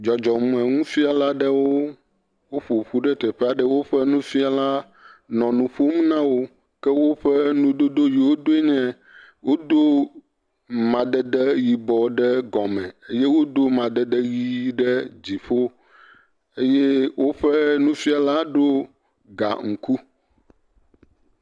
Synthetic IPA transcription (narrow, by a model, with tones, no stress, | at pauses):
d͡ʒɔ˨d͡ʒɔ˨mũ˨ɛ˨ŋũ˦fi˦a˨la˦ɖɛ˦wo˦ | wo˦ɸo˨ɸu˦ɖɛ˦t̪ɛ˨ɸɛ˦a˨ɖɛ˦wo˦ɸɛ˦nũ˦fi˦a˨la˦ | nɔ̃˨nũ˨ɸo˦m˦nã˦wo˦ | kɛ˦wo˦ɸɛ˦nũ˦d̪o˦d̪o˦ji˨wo˦d̪o˦e˦ɲɛ̃˦ | wo˦d̪o˦ | mã˨d̪ɛ˦d̪ɛ˦ji˨bɔ˨ɖɛ˦ɡɔ˨mɛ̃˨e˦jɛ˦wo˦d̪o˦mã˨d̪ɛ˦d̪ɛ˦ji˦ɖɛ˦d͡ʑi˨ɸo˦ | e˦jɛ˦wʔo˦ɸɛ˦nũ˦fi˦a˨la˦ɖo˦ | ɡa̰˨ŋ̩˨ku˦